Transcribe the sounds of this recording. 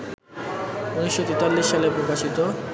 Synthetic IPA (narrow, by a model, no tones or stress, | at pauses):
uniʃːot̪it̪alːiʃːalepɾokaʃit̪o